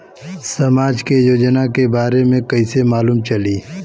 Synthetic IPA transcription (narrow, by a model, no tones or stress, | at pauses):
sɐmaːd͡ʒkejoːd͡ʒnakebaːɾemẽkɐisemaːluːmt͡ʃɐliː